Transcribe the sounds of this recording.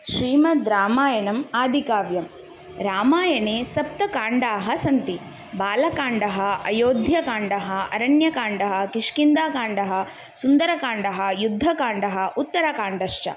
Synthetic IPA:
ʃɾiːmɐd̪ɾaːmaːjɐɳɐmaːd̪ʱikaːʋjɐm | ɾaːmaːjɐɳeːsɐp̚t̪ɐkaːɳɖaːɦɐsɐnt̪i | baːlɐkaːɳɖɐɦɐɐjoːd̪ʱjɐkaːɳɖɐɦɐɐ̰ɾɐɳjɐkaːɳɖɐɦɐ̆kiʂkind̪aːkaːɳɖɐɦɐ̆ | sund̪ɐɾɐkaːɳɖɐɦɐ̆jud̪ʱːɐkaːɳɖɐɦɐ̆ut̪ːɐɾɐkaːɳɖɐʃt͡ʃɐ̰

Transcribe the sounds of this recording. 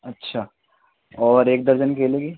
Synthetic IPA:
ɐtːʃʰaː | ɔːɾeːk̚d̪ɐɾd͡ʒənkeːleːɡi

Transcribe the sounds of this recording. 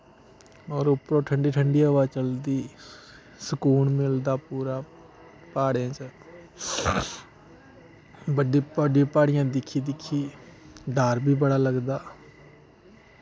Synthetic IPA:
ɔːɾʊpɾõːʈʰəɳɖiːʈʰəɳɖiːʋaːt͡ʃəld̪iː | səkuːɳmɪld̪aːpuːɾaː | paːɽãːt͡ʃə | bəɖiːpəɖj̃ːpaːɽɪjãːd̪ɪkʰːiːd̪ɪkʰːiːɖaːɾbʱiːbəɽaːləɡd̪aː

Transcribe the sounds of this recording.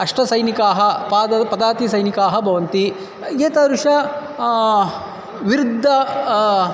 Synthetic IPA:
ɐʂʈɐsɐjnikaːɦɐpaːd̪ɐpɐd̪aːt̪isɐjnikaːɦɐbʱɐʋɐnt̪i | ɡeːt̪ɐɾuʃɐ | ʋiɾid̪ʱːɐ

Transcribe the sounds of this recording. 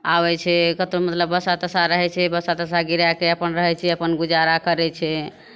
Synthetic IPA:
abɛt͡ʃʰɛkət̪omət̪ləbːəsat̪əsaɾəɦɛt͡ʃʰɛbəsat̪əs̬aɡiɾjakeəpənɾəɦɛt͡ʃʰɛəpənɡud͡ʒaɾakəɾɛt͡ʃʰɛ

